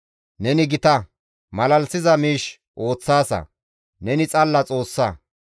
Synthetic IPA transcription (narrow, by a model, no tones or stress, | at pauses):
nɛnɪɡɪt̪ɐ | mɐlɐlsɪzɐmiːʃ | ʔo̞ːt͡sːaːsɐ̰ | nɛnɪt͡sʼɐlːɐt͡sʼo̞ːsːɐ